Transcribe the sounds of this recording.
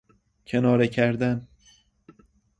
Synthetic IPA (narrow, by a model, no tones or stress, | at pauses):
cʰe̞nɒːɾecʰæɾd̪æn